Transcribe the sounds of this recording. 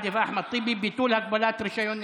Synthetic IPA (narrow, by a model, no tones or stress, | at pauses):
d̪ifʔaħmat̪ˤːibibit̪uːlhak̚balaːt̪ɾɪʃajon